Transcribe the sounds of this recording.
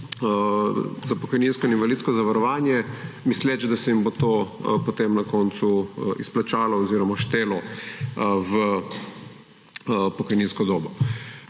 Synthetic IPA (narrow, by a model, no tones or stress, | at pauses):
zapɔkɔjnĩnskɔininvalit̪skɔzaʋaɾɔʋaːnjɛmislɛt͡ʃd̪asɛimbot̪oːpot̪emnakɔːnt̪suḭsplat͡ʃaːlɔɔziːɾɔmaʃt̪eːlɔ | və | pɔkɔjninskɔd̪oːbɔ